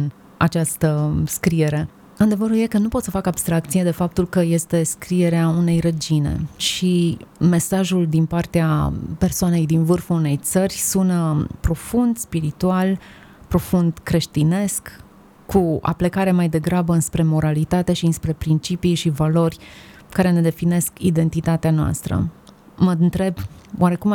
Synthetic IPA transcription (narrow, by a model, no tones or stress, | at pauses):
n | a̰t͡ʃast̪əskɾie̞ɾe̞ | ɨnd̪e̞vəɾujekənupot̪səfakabst̪ɾakt̪sijed̪e̞fap̚t̪ulkəje̞st̪e̞skɾie̞ɾeaune̞jɾəd͡ʒine̞̰ʃime̞saʒuld̪inpart̪eape̞rsoane̞jd̪invɨrfəune̞jt̪sərʲsunpɾo̞fund̪spiɾit̪ual | pɾo̞fund̪kɾe̞ʃt̪ine̞skː | ua̰plekaɾemajd̪e̞ɡɾabəɨnspɾe̞mo̞ɾalit̪at̪e̞ʃiɨnspɾe̞pɾint͡ʃipijʃivalo̞rʲ | kaɾe̞ne̞d̪e̞fine̞skid̪e̞nt̪it̪at̪eanoa̰st̪ɾə̰ | mənt̪ɾe̞bwʔaɾe̞kum